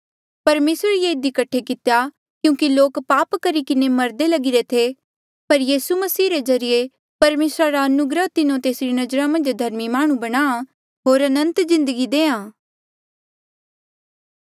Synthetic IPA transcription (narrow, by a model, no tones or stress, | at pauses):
pɐɾmeːsɾəɾjeːɪd̪ikɐʈʰːekɪt̪eja | kjũːkiloːkpaːpkɐɾikɪnemɐɾd̪elɐɡiɾet̪ʰe | pɐɾjiːsumɐsiːɾezɐɾɪje | pɐɾmeːsɾaɾaɐnʊɡɾəɦt̪ɪnõt̪eːsɾinɐd͡ʒɾamɐ̃nd͡ʒd̪ʱɐɾmimaːɽ̃ũbɐɽ̃aːa | ɦoːɾɐnə̃nt̪zɪ̃nd̪əɡid̪eːãː